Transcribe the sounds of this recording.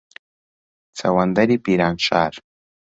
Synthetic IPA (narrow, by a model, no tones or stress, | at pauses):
t͡sa̰wand̪aɾipiɾanʃa̰ɾ